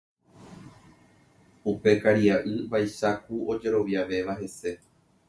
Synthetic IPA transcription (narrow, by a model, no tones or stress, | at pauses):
upe̞kaɾiaʔɨbajʃakuo̞d͡ʒe̞ɾo̞ʋjaʋe̞ʋaɦe̞se̞